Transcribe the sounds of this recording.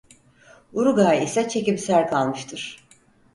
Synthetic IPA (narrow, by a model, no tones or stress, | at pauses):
uɾuɡaːisɛt͡ʃʰe̞cibsæɾkʰalˠmɯʃt̪ʰɯɾ̥